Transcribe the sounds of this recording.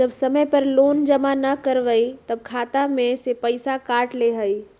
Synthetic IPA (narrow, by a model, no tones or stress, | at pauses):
d͡ʒəbsəməjpəɾloːnd͡ʒəmanəkəɾʋəit̪əb̚kʰaːt̪amẽsepəɪsakaːʈleɦəi